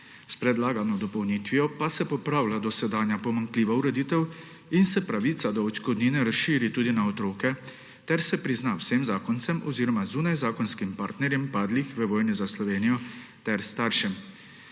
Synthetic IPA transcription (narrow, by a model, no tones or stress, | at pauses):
spɾɛd̪laːɡanɔd̪ɔpɔwnit̪ʋijɔpasɛpɔpɾaːwlad̪ɔsɛd̪aːnjapɔmaŋkliːʋauɾɛd̪iːt̪ɛw | insɛpɾaʋit̪sad̪ɔɔt͡ʃkɔd̪niːnɛɾasʃiːɾit̪uːd̪inaɔt̪ɾoːkɛ | t̪ɛɾsɛpɾiznawsɛmzaːkɔnt̪sɛmɔziːɾɔmazuːnajzaːkɔnskimpaːɾt̪nɛɾjɛmpaːd̪lixʋəʋɔːjnizaslɔʋeːnijɔt̪ɛɾst̪aːɾʃɛm